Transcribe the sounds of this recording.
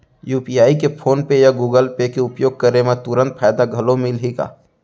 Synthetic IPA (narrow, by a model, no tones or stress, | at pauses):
juːpijaːikepʰoːnpejaɡuːɡəlpekeʊpjoːɡ̚kəɾemẽt̪ʊɾə̃nt̪̚pʰaːjd̪aɡʱəlomɪlɦika̰ː